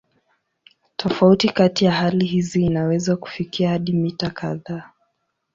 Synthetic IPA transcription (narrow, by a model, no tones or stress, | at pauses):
tʰɔfautikatijaɦaliɦiziːnawɛzaku̥fikiahaɗimitakaðaː